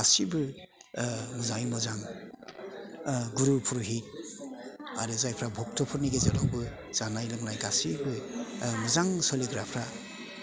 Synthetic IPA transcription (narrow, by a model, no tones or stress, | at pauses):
asibɯ | mɯzajmɔzaŋ | ɡuɾupʰuɾuɦit̚ | a̰ɾɯzajpʰɾabʱɔk̚tʰɔpʰuɾniɡezadawbɯ | z̥anajlɯŋlajɡasibɯmɯzaŋsɔliɡɾapʰɾa